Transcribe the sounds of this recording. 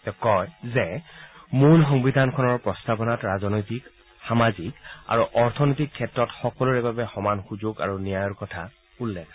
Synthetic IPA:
tɛkɔjzɛmulxɔŋbidʱankʰɔnɔɹpɹɔstapɔnatɹazɔnɔjtik | xamazika̰ɹuʔɔɹtʰɔnɔjtikʰːɛtɹɔtxɔkɔluɹɛbabɛxɔmanxuzuɡa̰ɹunijajɔɹkɔtʰa | ulːɛ

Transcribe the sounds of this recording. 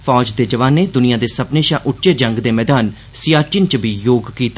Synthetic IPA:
fʰɔːd͡ʒd̪eːd͡ʒəʋaːnːeːd̪ʊnijãːd̪eːsəpneːʃãːʔʊʈːt͡ʃeːd͡ʒəŋɡd̪eːmɛːd̪aːn | sɪjaːt͡ʃɪnt͡ʃbiːjoːɡkiːt̪

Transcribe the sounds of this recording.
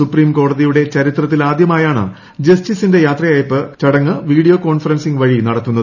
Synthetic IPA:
supriːmko̞ːɽɐðijuɽe̞t͡ɕɐɾit̪rɐt̪̬ːilaːd̪jɐmaːjaːɳɨ̰ | d͡ʑɐstisinde̞jaːt̪rɐjaːjpːɨt͡ɕɐɽɐŋːɨʋiːɽijoːko̞ːɳfɐɾɐnsiŋʋɐɻinɐɽɐt̪ːunːɐðɨ

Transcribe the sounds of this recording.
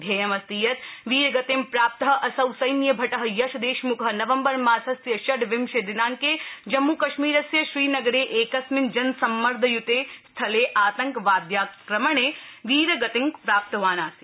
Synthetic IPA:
d̪ʱjɐjɐmɐst̪iːjɐt̪ʋiːɾɐɡɐt̪empɾaːp̚t̪ɐɦɐ̆ʔɐsɐwsɐjnjɐbʱɐʈɐɦɐ̆jɐʃɐd̪eːʃmukʰɐɦɐ̆nɐʋɐmbɐɾmaːsɐsjɐʃɐɖʋɪmʃed̪inaːŋked͡ʒɐmːukɐʃmiːɾɐsjɐʃɾiːnɐɡɐɾeːʔeːkɐsmɪnd͡ʒɐnsɐmːɐɾd̪ʱɐjut̪eːst̪ʰɐleːʔaːt̪ɐŋkʋaːd̪jaːkɾɐmɐɳeːʋiːɾɐɡɐt̪ɪŋkpɾaːp̚t̪ɐʋaːnaːsi

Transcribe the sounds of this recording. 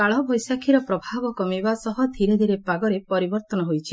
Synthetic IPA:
kaɭɔbʱɔjsakʰiɾɔpɾɔbʱabɔkɔmibasɔɦɔd̪ʱiɾed̪ʱiɾepaɡɔɾepɔɾibɔɾt̪ɔnɔɦojt͡ʃʰi

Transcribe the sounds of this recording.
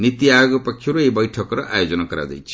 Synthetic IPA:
nit̪iajoɡpʌkʰːuɾuebʌjʈʰʌkɾʌʔajod͡zʌnakʌɾa̰d̪ʌ̰jt͡sʰi̥

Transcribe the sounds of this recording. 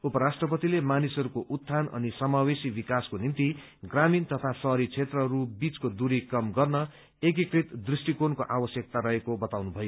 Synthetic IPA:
upʌɾasʈrʌpʌt̪ilemanisʌɾukoʔut̪ʰːanʌ̰nisʌmawesibikaskonint̪i | ɡramint̪ʌt̪ʰasʌɦɾit͡sʰet̪rʌɦʌɾubit͡skod̪uɾikʌmɡʌrnʌ | ek̬ikrit̪d̪risʈikonkoʔabʌsjʌk̚t̪aɾʌɦekobʌt̪awnubʱʌjo

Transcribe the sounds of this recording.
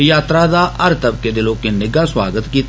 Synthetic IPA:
jaːt̪ɾad̪aʔɐɾt̪əb̚ked̪ɪlõkenɪɡaswaːɡət̪kiːt̪

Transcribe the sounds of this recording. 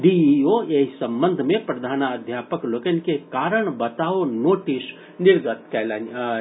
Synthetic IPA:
ɖiioeɦisɐ̃mbənd̪ʱmẽpɾɐd̪ʱaːnəd̪ʱjaːpəklokənkekaːɾəɽ̃bɐt̪aːonoːʈis | nɪɾɡət̪kɛːlaːn

